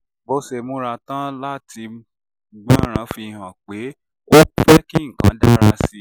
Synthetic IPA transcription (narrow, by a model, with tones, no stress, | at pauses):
bo˧se˧mũ˨˦ɾa˧tã˦la˦ti˧ | ɡ͡bã˦ɾ̃ã˨˦fi˧hã˨k͡pe˨˦ | wɔ˦fɛ˦kĩ˦ŋ̩˨kã̰˨˦da˦˨ɾa˧si˦˨